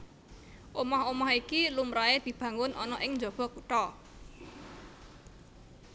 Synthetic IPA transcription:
ʔomɔhomɔhikilumɾaed̪̥i̤b̥ä̤ŋʊnʔɔ̰nɔʔɪŋɲd͡ʒɔb̥ɔ̤kuʈɔ

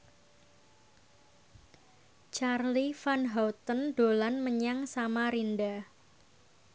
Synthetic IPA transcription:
t͡ʃarlifanɦawt̪ənɖ̥o̤lanməɲaŋsamaɾinda

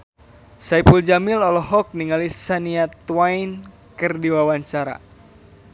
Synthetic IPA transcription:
saipuld͡ʒamilɔlɔɦɔk̚niŋalisaniat̪wain | kɨrdiwawaɲt͡ʃaɾa̰

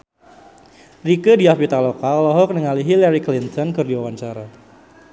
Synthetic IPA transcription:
rikədiapit̪alɔkalɔɦɔk̚nəŋaliɦilaɾiklint̪ɔnkɨrdiwawaɲt͡ʃaɾa

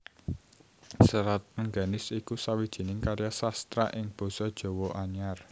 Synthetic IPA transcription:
səɾat̪̚məŋɡanɪsikusawid̥ʒ̥i̤nɪŋkaɾjasast̪ɾa̰ʔɪŋb̥o̤sɔd̥ʒ̥o̤wɔʔaɲar

